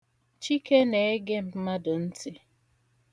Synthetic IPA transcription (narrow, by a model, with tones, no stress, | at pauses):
t͡ʃi˦ke˦ne˨e˦ɡe˦m̩˨˦ma˦dʊ˨n̩˦tʰɪ˦